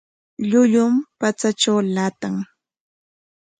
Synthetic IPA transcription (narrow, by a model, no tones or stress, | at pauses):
ʎʊʎʊmpat͡saʈ͡ʂawlat̪aŋ